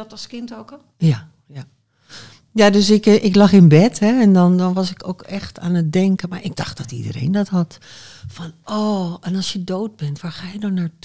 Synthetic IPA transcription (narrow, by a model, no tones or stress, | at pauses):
dɔtlˠskɪntowkɔl | ja | ja | jadøsɪkʔɪklɑxɪnbɛtɦɛɛndɔndɔnʋɑsɪkowkɛxtaːnət̚dɛŋkənmaɹʔɪɡ̚dɑχtd̥ɔtḭdə̰rḛjndɔtɦɑt | fɔnʔoɛnɑlˠsjədoːt̚bɛntʋaːɹxaːjədɔnaːɹt